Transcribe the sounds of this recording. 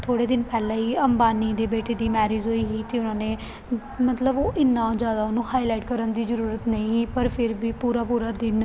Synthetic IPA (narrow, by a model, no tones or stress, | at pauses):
t̪ʰoːɽeːd̪ɪnpɛːlaːiːəmbaːniːd̪eːbeːʈeːd̪iːmɛːɾiːd͡ʒɦoːiːɦiːt̪eːʊnãːneː | mət̪ləboːʔɪnːãːd͡ʒaːd̪aːʊnũːhaːilaːɪʈkəɾənd̪iːzəɾuːɾət̪nəĩːipəɾpʰɪɾbiːpuːɾaːpuːɾaːd̪ɪn